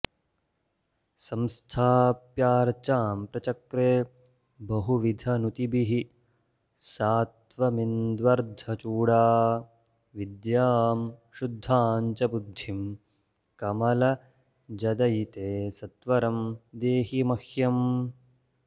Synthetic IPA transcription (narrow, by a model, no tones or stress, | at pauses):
sɐmst̪ʰaːpjaːɾt͡ʃaːmpɾɐt͡ʃɐkɾeː | bɐɦuʋid̪ʱɐnut̪ibiɦi | saːt̪ʋɐmind̪ʋɐɾd̪ʱɐt͡ʃuːɽaː | ʋid̪jaːmʃud̪ʱːaːɲt͡ʃɐbud̪ʱːim | kɐmɐlɐ | d͡ʒɐd̪ɐjt̪eːsɐt̪ʋɐɾɐmd̪eːɦimɐhjɐm